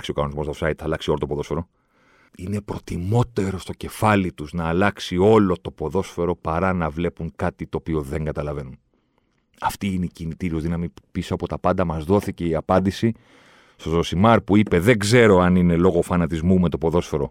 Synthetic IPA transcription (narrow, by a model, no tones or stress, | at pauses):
ksiokɐno̞nizmost̪sɐit̪θɐlɐksio̞lot̪opoðo̞sfe̞ɾo̞ | ine̞pɾo̞t̪imo̞t̪e̞ɾo̞st̪o̞ce̞fɐlit̪uznɐːlɐksio̞lo̞t̪o̞po̞ðo̞sfe̞ɾo̞pɐɾɐnɐvle̞puŋkɐt̪it̪o̞ːpio̞ðeŋɡɐt̪ɐlɐve̞nun | ɐft̪iine̞icinit̪iɾioðinɐmipisoɐpot̪ɐpɐnd̪ɐmɐzðo̞θice̞iɐpɐnd̪isi | st̪ososimɐɾpuipe̞ðe̞ŋɡze̞ɾo̞ɐnine̞lo̞ɣo̞fɐnɐt̪izmume̞t̪opo̞ðo̞sfe̞ɾo̞